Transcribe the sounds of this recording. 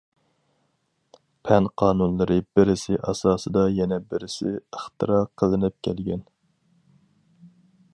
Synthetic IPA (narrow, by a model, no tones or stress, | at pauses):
pʰɛnqʰɑːnunlˠɨɾɨbɪɾɪsɪʔɑ̰sɑːsɨd̪ɑjɛnɛbɪɾɪsɪ̰əχt̪ɨ̰ɾɑqʰəlˠɨnɨp̚kʲʰɛlɡʲɛn